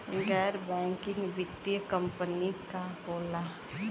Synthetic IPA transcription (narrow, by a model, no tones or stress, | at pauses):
ɡɛːɾbɛ̃ːŋkɪ̃ŋɡʋɪd̪jəkə̃mpənikakoːla